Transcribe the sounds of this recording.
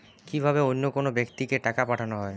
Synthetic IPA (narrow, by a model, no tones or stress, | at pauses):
kibʱabeonːokonobekt̪ikeʈakapaʈʰanoɦɔe